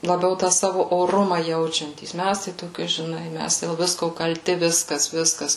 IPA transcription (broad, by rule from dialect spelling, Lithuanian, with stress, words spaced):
lˠɐˈbʲɛʊ ˈtɑː ˈsɑːʋʊ oːˈrʊmɐ ˈjɛʊt͡ʃʲɛnʲtʲiːs ˈmʲæs tɐɪ toːˈkʲɪ ʒʲɪˈnɐɪ mʲæs dʲeːlˠ ˈʋʲɪskoː kɐlʲˈtʲɪ ˈʋʲɪskɐs ˈʋʲɪskɐs